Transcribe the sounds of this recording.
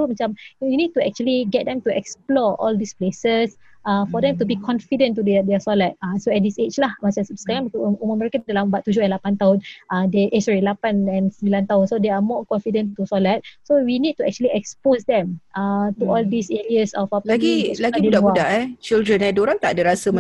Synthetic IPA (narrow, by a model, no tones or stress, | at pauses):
omat͡ʃãmwinid̚tuɛk̚t͡ʃuəliɡɛt̚dɛ̃mtuɛksplɔʔɔ̰ldisplesəsʔãfɔdɛ̃mtubikʰɔ̃nfidə̃ntːudɛdɛsɔlat̚ãsoɛt̚diset͡ʃlahmasasə̥kaɾãŋbikɔuməmɛɹikə̃ndəlambaʔt̪ːud͡ʒoɛ̃nlapãnt̪aʊ̃nʔãdeʔɛsɔɹilapãnɛ̃nsəmbilãnt̪aɦʊ̃nsodeamɔkɔ̃nfidə̃ntusɔlat̚sowinid̚tuɛ̰k̚t͡ʃuəliɛksposdɛ̃matuɔldiseɹiəsɔfapɡilaɡididaʔuadaɛt͡ʃildɾənɛdoɾant̪aʔdəɾasə